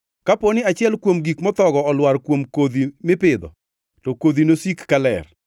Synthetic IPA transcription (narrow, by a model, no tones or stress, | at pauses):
kaponɪat͡ʃɪɛlkwomɡikmɔt̪ɔɡɔɔlwaɾkwomkod̪imɪpɪd̪ɔ̰ | tɔkod̪inosikːalɛ̰r